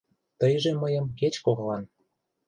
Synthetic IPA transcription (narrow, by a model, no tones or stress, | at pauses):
t̪əjʒeməjə̆mket͡ɕkoɣlɑn